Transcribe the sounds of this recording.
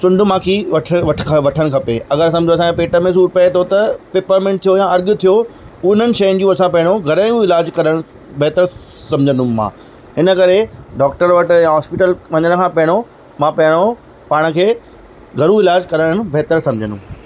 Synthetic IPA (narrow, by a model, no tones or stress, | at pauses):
sʊ̃ɳɖʊ̆mãːkʰiʋɐʈʰʋɐʈʰkʰʋɐʈʰəɽ̃̆kʰɐpeɐɡəɾsɐmd͡ʑʱoɐsãkʰẽpeːʈəmẽs̬uːɾpɐet̪ʰot̪ɐpeːpəɾmẽɳʈ̚t̪ʰijojãɐɾɡ̆t̪ʰijo | ʊɪnənɪ̆ʃɐjənɪ̆d͡ʑũːɐsãpɐɦɪɽ̃oɡʱɐɾaːjũɪlaːd͡ʑkɐɾəɽ̃ | bʱɛɦt̪əɾsɐ̃md͡ʑʱə̃nʊ̃mã̰ː | ɦɪnə̆kɐɾeɖɔːk̚ʈəɾʋɐʈjãɦɔːspɪʈəlʋ̤ɐ̃ɲəɽ̃̆kʰãːpɐɦɪɽ̃o | mãːpɐɦɪɽ̃o | paːɽ̃̆kʰeː | ɡʱɐɾũɪlaːd͡ʑkɐɾəɽ̃bʱɛɦt̪əɾsɐ̃md͡ʑʱənṵ̃